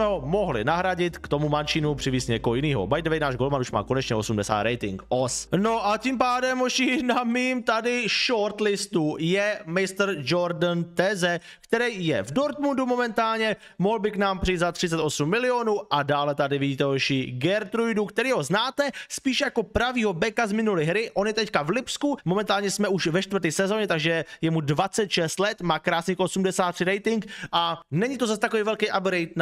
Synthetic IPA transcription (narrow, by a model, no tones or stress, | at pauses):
mɛɦomo̞ɦlɪ̰naɦɾaɟɪt̪kt̪o̞mumant͡ʃiːnupr̝̥ɪviːsɲɛkoɦojɪniːɦo̰bajdvɛjnaːʒɡo̞lmanuʃma̰ːko̞nɛt͡ʃɲɛʔo̞sumdɛsa̰ːt̪ɾɛjt̪ɪŋkʔosno̞ʔacimpaːdɛmoʃɪnamiːmt̪adɪʃoɾt̪lɪst̪ujɛmɪst̪ɾd͡ʒo̞ɾdnt̪ɛzɛ | kt̪ɛɾɛjjɛvdo̞ɾt̪mundumo̞mɛnt̪aːlɲɛ | mo̞ɦlbɪknaːmpr̥ɪjit̪zat̪r̝̥ɪt͡sɛt̪ʔo̞sumːɪlɪo̞nuːʔadaːlɛt̪adɪvɪɟiːt̪ɛɦoʃiːɡɛɾt̪ɾujdukt̪ɛɾiːɦo̞znaːt̪ɛspiːʃjako̞pɾaviːɦo̞bɛkazmɪnulɪɦɾɪʔo̞njɛt̪ɛckavlɪpskumomɛnt̪aːlɲɛsmɛʔuʃvɛʃt̪vərɾt̪iːsɛzo̞ɲɛt̪aɡʒɛjɛmudvat͡sɛt̪ʃɛst̪lɛt̪maːkɾaːsɲikʔo̞sumdɛsaːt̪ːrɪɾɛjt̪ɪŋkʔanɛɲɪt̪o̞zas̬t̪ako̞vijvɛlkɛjʔabɡɾɛjt̪̚n